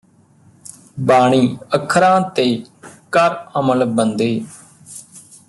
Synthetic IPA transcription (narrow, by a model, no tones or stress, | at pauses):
baːɳ̃iːəkʰːɾãːt̪eːkəɾəməlbənd̪eː